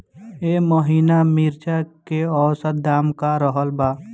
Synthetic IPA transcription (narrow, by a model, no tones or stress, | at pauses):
eməɦiːnamiɾt͡ʃakeɔːɾsəd̪aːmkaɾəɦəlbaː